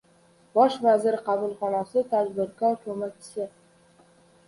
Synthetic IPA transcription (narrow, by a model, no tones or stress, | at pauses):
bɒʃvazɪɾɪqʰɑbʊlˠχɒnasɪt̪ʰad̪bɪɾkʰɒɾkʲʰɵmakʲʰɪ̥sɪ